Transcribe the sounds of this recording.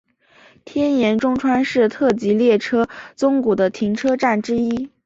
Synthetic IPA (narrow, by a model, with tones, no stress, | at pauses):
t̪ʰjɛ˥njɛ˧˥nʈ͡ʂʊ˥ŋʈ͡ʂʰwa˥nʂɻ̩˥˧t̪ʰɤ˥˩t͡ɕi˧˥ljɛ˥˩ʈ͡ʂʰɤ˥t͡sʊ˥ŋku˨˩d̪ə˦t̪ʰi˧˥ŋʈ͡ʂʰɤ˥ʈ͡ʂa˥˩nʈ͡ʂɻ̩˥i˥